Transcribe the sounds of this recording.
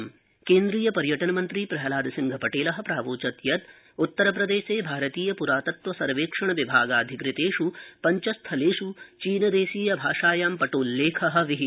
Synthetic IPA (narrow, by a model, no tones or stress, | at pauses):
m | keːnd̪ɾiːjɐpɐɾjɐʈɐnɐmɐnt̪ɾipɾɐɦɐlaːd̪ʱɐsiŋɡʱɐpɐʈeːlɐɦɐ̆pɾaːʋoːt͡ʃɐt̪jɐt̪ | ut̪ːɐɾɐpɾɐd̪eːʃeːbʱaːɾɐt̪iːjɐpuɾaːt̪ɐt̪ʋɐsɐɾʋeːkʂɐɳɐʋibʱaːɡaːd̪ʱikɾɪt̪eːʂupɐɲt͡ʃɐst̪ʰɐleːʂut͡ʃiːnɐd̪eːʃiːjɐbʱaːʂaːjaːmpɐʈoːlːeːkʰɐɦɐ̆ʋiɦi